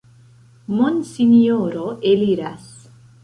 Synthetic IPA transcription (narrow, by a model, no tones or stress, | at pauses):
monsinioɾoʔeliɾas